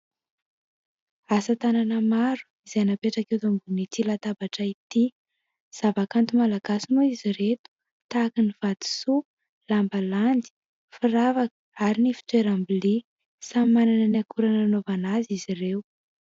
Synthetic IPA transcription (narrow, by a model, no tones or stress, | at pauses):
asət̪ananəmaɾu̥izenapeʈ͡ʂakewt̪umɡunit̪ilat̪abaʈ͡ʂait̪i | z̥avakant̪umalaɡasinuiziɾet̪u̥ | t̪akiniv̥ad̪̥i̥su | lambaland̪i̥ | fiɾavakə̥aɾinifi̥t̪weɾambili | samananəniakuɾananovanazizirew